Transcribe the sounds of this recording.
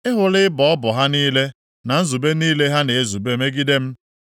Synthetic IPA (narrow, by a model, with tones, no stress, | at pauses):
ɪ˦ɦʊ˨lɪ˦ɪ˦bɔ˨ɔ˦bʊ˨ɦa˦niː˦le˦ | na˨n̩˦zu˨be˦niː˦le˦ɦa˦ne˨e˦zu˨be˦me˦ɡi˦de˦m̩˦